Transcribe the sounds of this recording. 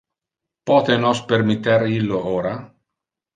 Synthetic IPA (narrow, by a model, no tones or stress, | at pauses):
pɔːt̪enɔspermit̪ːeɾilːooːɾa